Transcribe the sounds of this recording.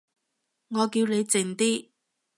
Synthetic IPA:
ŋɔː˨˧kiː˧wne˨˧jt͡sɪ˨˩ŋt̪iː˥

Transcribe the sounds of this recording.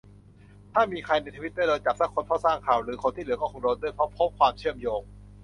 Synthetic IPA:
t̪ʰaː˥˩miː˧kʰa˧jna˧jt̪ʰa˧wi˦˥t̪̚da˥˩lɤː˧t͡ɕa˨˩p̚sa˦˥kʰːo˧npʰɔː˥˩wsaː˥˩ŋkʰaː˨˩wɾɯː˩˦kʰo˧nt̪ʰiː˥˩lɯ˩˦ɐkɔː˥˩kʰo˧ŋdoː˧ndu˥˩jpʰɾo˦˥p̚ʰo˦˥p̚kʰwaː˧mt͡ɕʰɯ˥˩əmjoː˧ŋ

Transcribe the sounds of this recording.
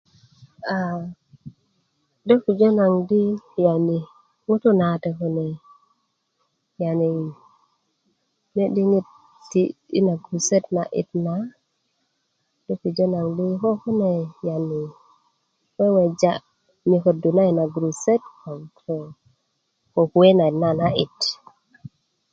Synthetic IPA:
a˨ | do˦ku˨d͡ʒo˦na˨ŋdi˦ja˨ni˨ | ŋu˦tu˦na˨te˨ku˦ne˨ | ja˨ni˨ | ne˦ɗi˦ŋi˦t̚ | tːiḭ˦na˨ɡɾu˨se˦tna̰˨ʔḭ˨tna | ni˦ku˨d͡ʒo˦na˨ŋdi˦ko˦ku˦ne˨ja˨ni˨ | we˦we˨d͡ʒa˦ | mi˨ko˨du˨na˦i˨na˨ɡɾu˨se˦tko˨ŋtʰe˨ | ko˨ku˨e˦na˨na˨na˦i˨t

